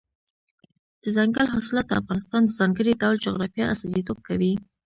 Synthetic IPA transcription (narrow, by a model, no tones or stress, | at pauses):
d̪̥əzaŋɡəlɦɑsɪlɑt̪̚d̪əa̰fɣɑnɪst̪ɑnd̪əzɑŋɡəɽid̪ɑwld͡ʒoɣɾɑfjɑasɑzit̪ob̚kʰawi